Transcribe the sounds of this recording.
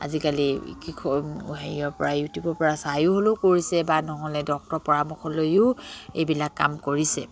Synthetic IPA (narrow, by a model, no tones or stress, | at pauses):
a̰zikalikikʰɔɦeiɔɹpɔ̰ɹajutjubɔɹpɔɹasajʊɦolokoɹisɛbanɔɦɔlɛdɔk̚tɔɹpɔɹamɔxʰɔlojʊḛjbilakːa̰mkoɹisɛ